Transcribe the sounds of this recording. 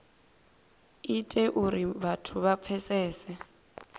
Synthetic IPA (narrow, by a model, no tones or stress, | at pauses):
itʼɛʔuɾiβatʰʊβap̪fʰɛsɛːsɛ